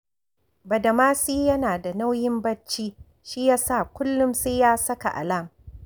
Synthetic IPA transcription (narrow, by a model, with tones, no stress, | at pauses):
bɐ˨dɐ˨maː˦siː˦jɐ˦naː˨da˨na˦wjɪ˦mbɐ˦t͡ʃːiː˦ | ʃi˦jaː˦sa˦˨kʷʊ˦lːʊ˦mseː˦jaː˦sɐ˦ka̰˨ʔa̰˨laː˦˨m